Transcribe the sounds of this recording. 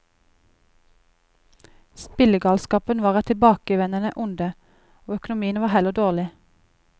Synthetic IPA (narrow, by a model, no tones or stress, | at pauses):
spɪləɡɑːlskɑːpənʋɑːʁæːt̪ʰɪbɑːkəʋɛnənəʔʊnd̪ə | oːœkʊnʊmiːənʋɑːhɛləd̪oːʁlɪ